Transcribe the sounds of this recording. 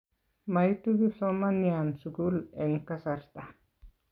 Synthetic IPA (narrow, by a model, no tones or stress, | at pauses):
majt̪uɡisomaniansukuleŋkasaɾt̪a